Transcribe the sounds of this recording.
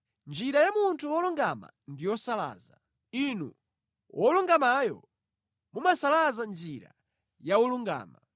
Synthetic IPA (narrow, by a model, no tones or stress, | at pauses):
nd͡ʒiɾajamuntʰuɔluŋɡama̰ | ndijɔsala̰ːza | inṵ | wɔluŋɡamajɔ̰ | mumasalazand͡ʒiɾa | jaɔluŋɡa̰ːma